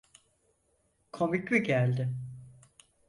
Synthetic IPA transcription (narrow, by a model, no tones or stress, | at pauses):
kʰo̞micmiɟælʲd̪ɪ